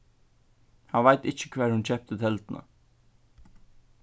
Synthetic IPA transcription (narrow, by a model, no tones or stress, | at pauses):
hanvajt̪ɪht͡ʃɪ̥kʰvɛːɹhʊnt͡ɕʰɛhp̚t̪ət̪ʰɛlt̪nə̰